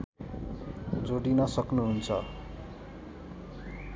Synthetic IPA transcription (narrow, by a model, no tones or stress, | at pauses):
d͡zoɽinʌsʌknuɦunt͡sʰʌ